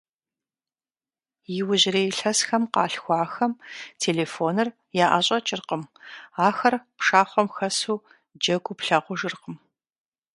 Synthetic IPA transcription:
jɪwʊʑɪreːjɬɐsxɐmqɑːɬxʷɑːxɐmtʰeːleːfoːnɨr | jaːʔaɕʼɐt͡ʃʼɪrqəmaːxɐrpʂaːχʷɔmxɐsuː | d͡ʒɐɡʷʊpɬaːqʷʊʒɨrqəm

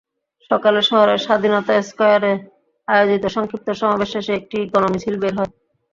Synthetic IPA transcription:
ʃɔkaleɾʃɔɦoɾeɾʃad̪ʱinɔt̪aeskɔjaɾe | ajod͡ʑit̪oʃɔŋkip̚t̪oʃɔmabeʃeʃeek̚ʈikɔnomit͡ɕʰilbeɾɦɔe

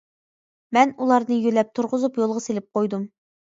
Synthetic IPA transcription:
mɛnulˠɑɾnɨjølɛp̚t̪ʰʊɾʁʊzupjolˠʁɑselɪp̚qojd̪um

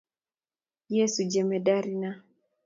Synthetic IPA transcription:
jɛsud͡ʒɛmɛdaɾina

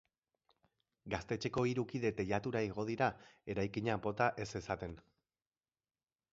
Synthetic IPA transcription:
ɡast̪e̞t͡ʃe̞ko̞iɾukiðe̞t̪e̞ʎat̪uɾaiɣ̞o̞ð̞iɾae̞ɾajkiɲabo̞t̪aʔe̞se̞sat̪e̞n

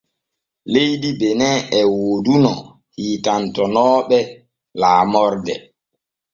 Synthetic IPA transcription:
lejdibɛnɛʔɛwoːdunɔ | hiːtantɔnɔːɓɛ | laːmɔɾdɛ

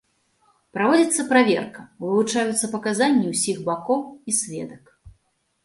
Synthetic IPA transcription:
pɾavɔd͡zʲit̪sːɐpɾavʲɛ̰rkɐvɨlˠut͡ʂajut̪sːɐpɐkazanʲːiwsʲiɣbakɔwisʲvʲɛ̰d̪ɐk

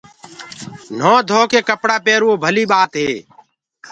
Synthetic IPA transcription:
n̤õːd̪ʱoːkeːkəpɽaːpeːɾoːbʱəliːɓaːt̪ɦeː

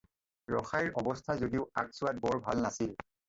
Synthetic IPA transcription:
ɹɔxajɹʔɔbɔstʰazodiʊa̰k̚sʊat̚bɔɹbʱa̰lnasil

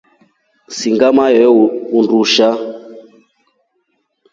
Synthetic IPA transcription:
siŋɡamajɛunduʃa

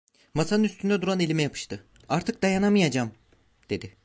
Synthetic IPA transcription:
masanɯnyst̪ʰynd̪ɛd̪uɾane̞lʲimɛjapʰɯ̥ʃt̪ɯ | aɾt̪ʰɯk̚d̪ajanamɯjad͡ʒam | d̪̥e̞d̪ɪ

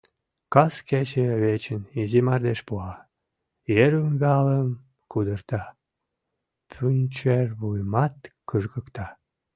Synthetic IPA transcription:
kɑsket͡ɕeβet͡ɕənizimɑrd̪eʃpuɑ | jeɾumβɑləm | kud̪ərt̪ɑ | pʰynʲt͡ɕerβujmɑt̪kɯʒɣəkt̪ɑ

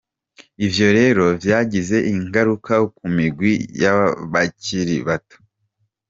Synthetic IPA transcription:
ivjo̞ɾe̞ːɾo̞vjaːɟize̞ʔiŋɡaɾukʰakumiɡwijaβaciɾiβato̥

